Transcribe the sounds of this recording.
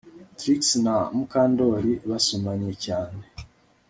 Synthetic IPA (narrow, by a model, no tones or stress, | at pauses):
tɾiksnamukaːndoɾiβasumaɲecaːne